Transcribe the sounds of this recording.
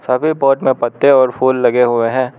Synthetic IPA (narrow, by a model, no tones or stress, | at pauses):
sɐbʱipɔːʈmẽpɐt̪ːeɔːɾfʰuːlːɐɡeɦʊeɦɛ̃ː